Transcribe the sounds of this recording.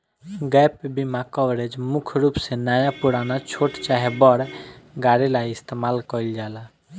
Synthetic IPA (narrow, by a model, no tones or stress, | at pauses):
ɡɛjpbimãkɔʋɾed͡ʒmukʰɾupsẽnajapuɾanat͡ʃʰoʈt͡ʃaɦebɔɾɡaɾilaist̪emalkɔild͡ʒala